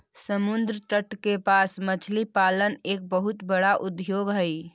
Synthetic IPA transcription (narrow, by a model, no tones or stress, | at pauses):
səmund̪ɾəʈəʈkepasmət͡ʃʰlipaləneːk̚bəɦut̪bəɽaʔud̪joɡɦəj